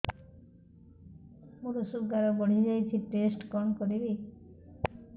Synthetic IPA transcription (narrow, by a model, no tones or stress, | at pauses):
muɾosub̚ɡaɾɔboɽ̤̃id͡ʒajt̪ʰiʈesʈkɔnkoɾiɾi